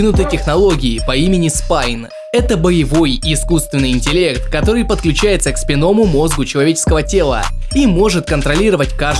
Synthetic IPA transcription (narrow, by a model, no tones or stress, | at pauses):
nʊt̪ɨjtʲɪxnɐlˠo̞ɡʲɪɪpɐimʲɪnʲɪspajn | ɛt̪əbəjɪvo̞jɪskust̪vʲɪnːɨjɪnʲtʲɪlʲe̞kt̪kɐt̪o̞ɾɨjpət̪̚klʲʉt͡ɕæjɪt̪səkspʲɪno̞mʊmo̞zɡʊt͡ɕɪlˠɐvʲet͡ɕɪ̥skəvətʲe̞lˠə̰ | imo̞ʐɨt̪̚kənt̪ɾɐlʲiɾəvətʲkaʐ